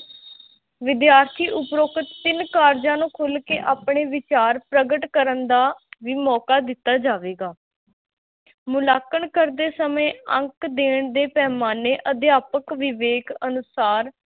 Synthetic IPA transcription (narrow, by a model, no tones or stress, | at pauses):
ʋɪd̪jaːɾt̪ʰiːʔʊpɾoːkʰət̪ːɪnkaːɾd͡ʒãːnũːkʰʊlkeːʔaːpɳeːʋɪt͡ʃaːɾpɾəɡəʈkəɾənd̪aːʋiːmɔːkaːd̪ɪt̪ːaːd͡ʒaːʋeːɡaː | mʊlaːkəɳkəɾd̪eːsəmẽːə̰̃ŋkd̪eːɳd̪eːpɛːmaːneːʔəd̪jaːpəkʋɪʋeːkənʊsaːɾ